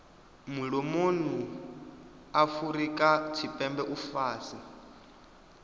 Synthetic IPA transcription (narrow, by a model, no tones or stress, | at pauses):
muɺomonu | afuɾikʼat͡ʃʰipʼɛmbɛʔufaːsi